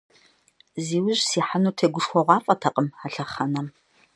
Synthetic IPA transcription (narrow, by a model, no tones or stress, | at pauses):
ziːwʊʑsiːħanuːtʰeːɡʷʊʃxʷɔʁʷɑːfʼɐtʰɐqʼəmaɬɐχɐnɐm